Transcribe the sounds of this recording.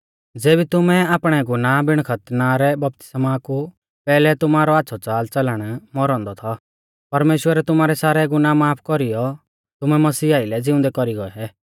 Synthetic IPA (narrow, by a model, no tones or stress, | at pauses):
d͡zeːbit̪ʊmɛaːpɽ̃ɛɡʊnabɪɽ̃kʰɐt̪naɾɛbɐp̚t̪ɪ̥smaku | pɛːlɛt̪ʊmaːɾɔaːt̪ːsʰɔt͡saːlt͡sɐlaɽ̃ɛmɔɾɔ̃ːnd̪ɔt̪ʰɔ | pɐɾmeːʃwəɾɛt̪ʊmaːɾɛsaːɾɛɡʊnamaːpʰkɔɾijɔ | t̪ʊmɛmɐsiːaːɪlɛd͡zɪʊ̃nd̪ɛkɔɾiɡɔɛɦɛ